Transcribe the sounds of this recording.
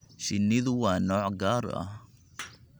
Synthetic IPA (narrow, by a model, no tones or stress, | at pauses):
ʃɪnːɪðʊwɑːnɔːʕɡaːɾɐ̰h